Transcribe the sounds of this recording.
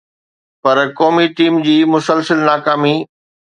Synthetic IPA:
pɐɾkɔːmiʈiːmd͡ʑiːmʊsəlsəlnaːkaːmiː

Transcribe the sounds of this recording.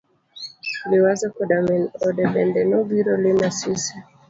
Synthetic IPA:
lɪwazakɔdamɛnɔdɛbɛndɛnɔɡiɾɔlenasisɛ

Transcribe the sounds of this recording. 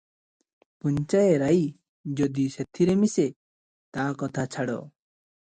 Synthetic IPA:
puɲt͡ʃajeɾaj | d͡ʒɔd̪iset̪ʰiɾemise | t̪akɔt̪ʰat͡ʃʰaɽɔ̰

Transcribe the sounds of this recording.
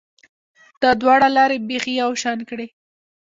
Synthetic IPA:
d̪̥ɑd̪wɑɽalɑɾebexijawʃɑnkɽe

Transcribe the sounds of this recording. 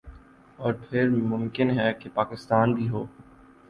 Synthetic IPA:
ɔːɾpʰɪɾmʊ̃mkɪnɦɛkepaːkɪst̪aːnbʱiɦoː

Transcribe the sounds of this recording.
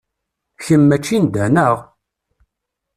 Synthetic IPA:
çəmːæt͡ʃːind̪ænəʁ

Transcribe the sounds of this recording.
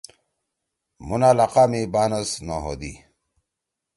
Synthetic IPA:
munaːlaqaːmibaːnɐsna̰ɦo̰ːd̪ḭ

